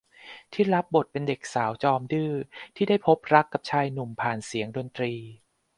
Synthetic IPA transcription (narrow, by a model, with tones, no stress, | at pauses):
t̪ʰiː˥˩ɾa˦˥p̚bo˨˩t̪̚pe˧nde˨˩k̚saː˩˦wt͡ɕɔː˧mdɯː˥˩t̪ʰiː˥˩da˥˩jpʰo˦˥p̚ɾa˦˥kːa˨˩p̚t͡ɕʰaː˧jnu˨˩mpʰaː˨˩nsi˩˦əŋdo˧nt̪ɾiː˧